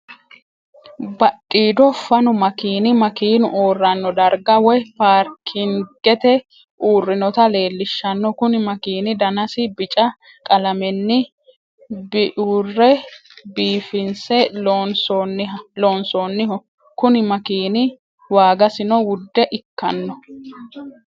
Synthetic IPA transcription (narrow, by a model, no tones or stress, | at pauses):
bɐtʼːiːd̪ɔfɐnʊmɐkiːnɪmɐkiːnʊʔoːrːɐnːɔd̪ɐɾɡɐwɔjpaːɾkʰɪŋɡ̥ɛt̪ɛ | ʔuːrːɪnɔt̪ɐle̞ːlːɪʃːɐnːɔkʊnɪmɐkiːnɪd̪ɐnɐsɪbɪt͡ʃʼɐ | kʼɐlɐmɛnːɪ | bɪʔuːrːɛbiːfɪnsɛonsɔnːɪɐloːnsɔːnːɪɦɔ | kʊnɪmɐkiːnɪ | waːɡɐsɪnɔwʊd̪ːɛʔɪkːɐnːɔ